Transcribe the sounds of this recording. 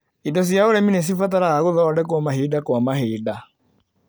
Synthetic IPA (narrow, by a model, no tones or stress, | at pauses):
idɔs̬jaoɾɛminɛs̬ifat̬aɾaaɣoðɔadɛk̬wamaɦiːdakwamahiːda